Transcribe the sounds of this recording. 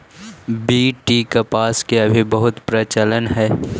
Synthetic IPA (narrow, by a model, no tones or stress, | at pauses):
biːʈiːkɐpaːskeɐbʱibɐɦʊt̪pɾət͡ʃələnɦɛː